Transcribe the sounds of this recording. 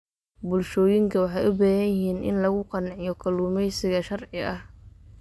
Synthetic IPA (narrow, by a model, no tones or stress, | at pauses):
bʊlʃɔːjɪŋkʰɐwɑħɑjʔʊbɐːɣɐjɪhiːnʔɪ̰nlɐɣʊqɑnʕɪjɔkʰɐluːmɛjsɪɣɐʃɐrʕɪɐh